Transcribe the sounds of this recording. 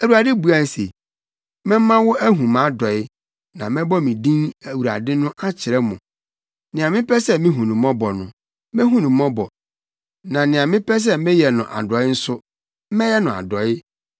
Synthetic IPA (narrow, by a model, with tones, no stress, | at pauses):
æ˨wu˨ɾa˨dɪ˦bu˨˦a˦˨sḛ˨ | mɛ̃˦mã˦wʊ˦ʔæ˦ɦũ˨mã˦dɔ˨ɪ˦ | nã˨mɛ̃˦bɔ˦mĩ˨dĩ˦næ˨wu˨ɾa̰˨dɪ˦nʊ̃˦ʔa˦t͡ɕʰɪ˨ɾɛ˦mʊ̃˨ | nɪ̃˨ã˨mɪ̃˦pɛ˦sɛ˦mɪ̃˦ɦũ˨nũ˨mɔ̃˦bɔ˨nʊ̰̃˨ | mɛ̃˦ɦũ˦nũ˨mɔ̃˦bɔ˨ | nã˨nɪ̃˨ã˨mɪ̃˦pʰɛ˦s̬ɛ˦mɪ̃˦jɛ˨nʊ̰̃˨ʔa̰˨dɔ˨ɪ˦n̩˦sʊ˦ | mɛ̃˦jɛ˦nʊ̃˨a̰˨dɔ˨ɪ˦